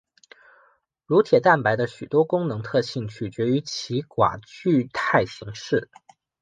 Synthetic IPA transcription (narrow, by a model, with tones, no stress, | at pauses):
ɻu˧˥t̪ʰjɛ˨˩t̪a˥˩npa˧˥ɪd̪ə˧ɕy˨˩t̪wɔ˥kʊ˥ŋnɤ˧˥ŋt̪ʰɤ˥˧ɕi˥˧ŋt͡ɕʰy˥˩t͡ɕɥɛ˧˥y˧˥t͡ɕʰi˧˥kwa̰˨˩t͡ɕy˥˧t̪ʰa˥˩ɪɕi˧˥ŋʂɻ̩˥˩